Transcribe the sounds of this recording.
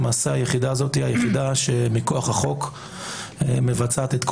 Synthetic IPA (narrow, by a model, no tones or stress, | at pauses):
maːseajeχidaːzot̪iajeχid̪aʃe̞miko̞aχhaχo̞k | eme̞vat͡sat̪et̪k